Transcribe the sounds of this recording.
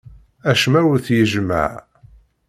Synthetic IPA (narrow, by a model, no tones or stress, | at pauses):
æʃmæwəɾθjəʒmə̰ʕ